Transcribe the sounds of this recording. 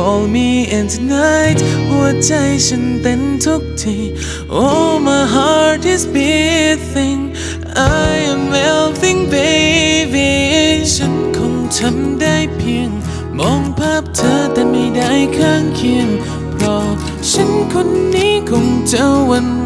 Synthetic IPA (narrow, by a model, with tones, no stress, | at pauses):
kɔː˧lmiː˧ʔɛ˨˧ntʰu˧na˧˥jt̚hu˧˩ət͡ɕa˧jt͡ɕʰa˧˥nt̪e˧˥nt̪ʰo˦˥k̚tʰi˧˩ | ʔo˧˥ma˧jɦa˧˥tɪ˧sbɛ˧˥θɪ˧ŋ | ʔa˧jɛ˧mwɛ˧lθɪ˧˥ŋbe˧˥we˧ʃa˧˥nkʰɔ˧˥ŋtʰa˧˥mda˥˩jpʰi˧əŋ | bɔː˨˧˥ŋpʰaː˥˩p̚t̪ʰə˧˥˦t̪ɛː˧miː˧da˥˩jkʰaː˥˩ŋkʰi˧ən | pʰɾɔ˧ | ʃʰa˧˥nkʰo˧nːiː˦˥kʰo˧˥ŋt͡ɕa˧wa˧n